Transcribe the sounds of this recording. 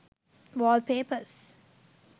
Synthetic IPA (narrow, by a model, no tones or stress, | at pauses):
ʋɔːl̚peːpəs